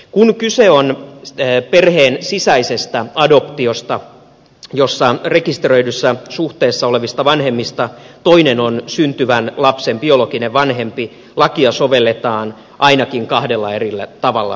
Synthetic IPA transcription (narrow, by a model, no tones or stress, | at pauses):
kunkyseonː | perheːnsisæisest̪æɑdo̞pt̪iost̪ɑ | josːɑre̞kist̪erø̞idysːɑsuht̪eːsːɑoleʋist̪ɑʋɑnhe̞mːist̪ɑt̪oinenonsynt̪yʋænlɑpsemb̥io̞lokineʋʋɑnɦe̞mpi | lɑkiɑsoʋe̞lːet̪ɑːn | ʔɑinɑkiŋkɑhde̞lːɑerilːæ̰t̪ɑʋɑ̰lːɑ̰